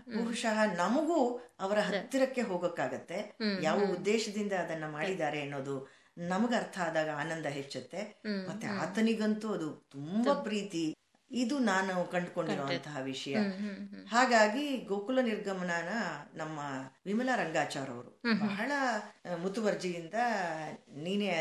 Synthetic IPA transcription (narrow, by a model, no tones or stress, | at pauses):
bɐɦuʂɐɦɐnɐmɐɡuɐʋɐɾɐɦɐt̪ːiɾɐkːe̞ɦoːɡɐkːaːɡɐt̪ːe̞jaːʋɐud̪ːɛːʃɐd̪ind̪ɐːd̪ɐnːɐmaːɽid̪aːɾe̞ɐnːo̞ːd̪u | nɐmɐɡɐɾt̪ʰɐaːd̪aːɡɐaːnɐnd̪ɐɦet͡ʃːɐt̪ːe̞mɐt̪ːea̰ːt̪ɐniɡɐnt̪uɐd̪ut̪umbɐpɾiːt̪i | id̪unaːnukɐɳɖko̞ɳɖiɾoːʋɐnt̪ɐɦɐʋiʂɐjɐhaːɡaːɡiɡoːkulɐniɾɡɐmɐnaːnɐnɐmːɐʋimɐlaːɾɐŋɡaːt͡ʃaːɾɐ̰ʋɐɾubɐɦɐɭɐmut̪uʋɐɾd͡ʒijind̪ɐ | niːne